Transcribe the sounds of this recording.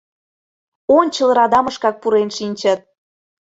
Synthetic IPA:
onʲt͡ɕə̆lˠɾɑd̪ɑmə̆ʃkɑk̚puɾenʃinʲt͡ɕə̆t̪̚

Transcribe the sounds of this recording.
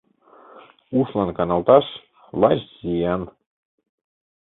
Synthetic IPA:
uʃlɑnkɑnɑlˠt̪ɑʃ | lˠɑɕzijɑn

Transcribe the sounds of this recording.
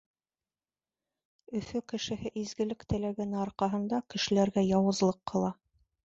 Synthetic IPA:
ɵ̆fɵkɘ̆ʃɘ̆hɘʔizɡɘ̆lɘkt̪ɘ̆læɡænɘɑɾqɑɦɤ̆nd̪ɑkɘ̆ʃɘ̆læɾɡæjɑwɤ̆zlˠɤqːɤ̆lˠɑ

